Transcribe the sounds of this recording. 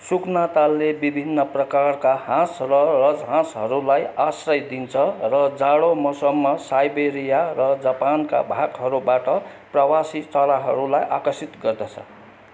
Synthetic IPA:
suknat̪alːebibʱinːʌprʌkarkahãsrʌrʌd͡zɦãsɦʌɾulajasrʌjd̪int͡sʰʌrʌd͡zaɽomʌsʌmːʌsajbeɾijarʌd͡zapanka̰bʱakɦʌɾubaʈʌ | prʌwasit͡sʌlaɦʌɾulajʔakʌsit̪ɡʌrd̪ʌt͡sʰʌ̰

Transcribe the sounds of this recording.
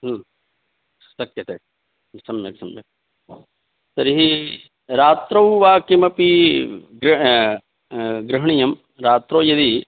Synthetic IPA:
ɦ | sɐkjɐt̪eː | sɐmjɐksɐmjɐ̰ | t̪ɐɾiɦi | ɾaːt̪ɾɐwʋaːkimɐpiɡɾ | ɡɾɐɦɳijɐm | ɾaːt̪ɾoːjɐd̪i

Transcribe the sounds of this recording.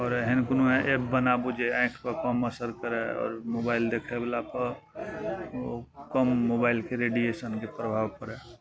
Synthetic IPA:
ɔːɾɦɪnkʊnuɦẽʔebːənabud͡ʒeɛ̃ːkʰpəɾkəməsəɾkəɾeɔ̰ːɾmobaːɪld̪eːkʰebəlapə | kəmːobaɪlkeɾeɖijesənkepɾəbʱaːʋpəɾɛ

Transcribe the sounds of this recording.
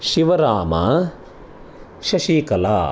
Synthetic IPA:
ʃiʋɐɾaːma̰ | ʃɐʃiːkɐla̰ː

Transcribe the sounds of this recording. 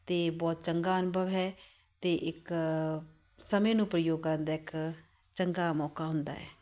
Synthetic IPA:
t̪eːbɔːt̪t͡ʃəŋɡaːənʊbʱəʋɦɛː | t̪eːʔɪk | səmẽːnũːpɾəjoːɡ̚kəɾnd̪aːɪk | t͡ʃəŋɡaːmɔːkaːɦʊ̃nd̪a̰ːɦɛ̰ː

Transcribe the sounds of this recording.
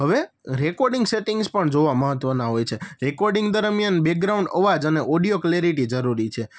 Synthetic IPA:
ɦəʋe | ɾekoɾɖĩŋɡseʈĩŋɡzpəɳd͡ʒoʋaməɦət̪ʋənaɦojt͡ʃʰeɾekoɾɖĩŋɡd̪əɾmijanbek̚ɡɾauɳɖəʋad͡ʒəneʔoɖijokleɾiʈid͡ʒəɾuɾit͡ʃʰe

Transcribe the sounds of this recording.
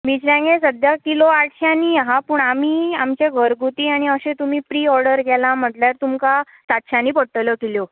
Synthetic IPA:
mit͡ɕɾjãŋɡẽsəd̪jakiloaʈʰɕjãniːaɦapuːɳamiːamt͡ɕeɡʱəɾɡʱut̪iːaɽ̃iəɕẽt̪umiːpɾiːɔɾɖəɾɡɛlam̤əʈljaɾt̪umka | sat̪ɕjãniːpəʈʈːələkeljo

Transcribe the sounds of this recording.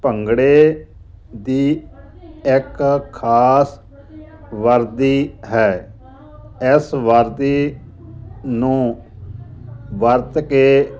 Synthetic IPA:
pəŋɡɽeː | d̪iː | ɪkkʰaːs | ʋəɾd̪iːɦɛː | ɪsʋəɾd̪iː | nũː | ʋəɾt̪keː

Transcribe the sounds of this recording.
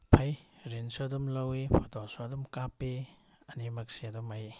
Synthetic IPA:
pʰɐjɾinsodumlɐwipʰɔtɔsadumkapːi | ɐnimɐk̚siadumaj

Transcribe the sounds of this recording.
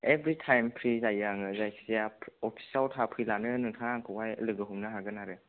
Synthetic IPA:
ebɾitʰajmpʰɾizajaŋɯzajkʰsijaɔpʰi̥saltʰapʰɾilanɯnɯŋtʰaaŋkʰɯwajlɯɡɯɦumnaɦaɡɯnaɾɯ

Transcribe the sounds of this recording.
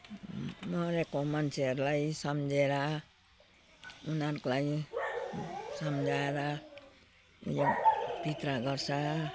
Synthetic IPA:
mʌɾekomʌnt͡sʰeɦʌɾulajsʌmd͡zeɾa | unʌɾkolaj | sʌmd͡zʱaeɾa | job̥ʱit̪ɾaɡʌrsʰa

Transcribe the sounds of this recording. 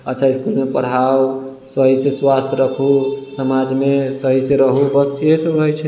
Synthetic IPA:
ətːt͡ʃʰaiskulmepəɽ̤aw | səɦiseswast̪ʰɾəkʰusəmad͡ʒmesəɦisẽɾəɦubəsijesə̃ɾəɦɛt͡ʃʰɛ

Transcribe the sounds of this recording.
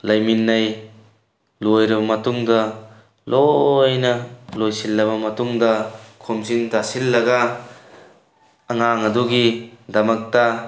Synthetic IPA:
lɐjminːɐj | lojɾɐbɐmɐtuŋdɐ | lojnɐlojsilːɐβɐmɐtuŋdɐkʰomsintasilːɐɡɐ | ɐŋaŋɐduɡidɐmɐk̚tɐ

